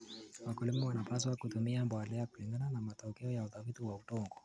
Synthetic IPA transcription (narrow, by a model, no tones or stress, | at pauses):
wakulimuwanapaswakutumiambwalɛjakuliŋɡananamatɔkɛɔjauθafitiwautɔŋɡɔ